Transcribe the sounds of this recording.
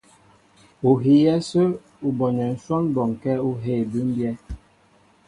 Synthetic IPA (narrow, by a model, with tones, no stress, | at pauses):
u˨ɦi˨˦jɛ˦sə˦ | u˨bɔ˨ɲɛ˨n̩˦swɔ˦nbɔ˨ŋ˨kɛ˦u˦ɦe˦˨bʉ˦m˦bjɛ˦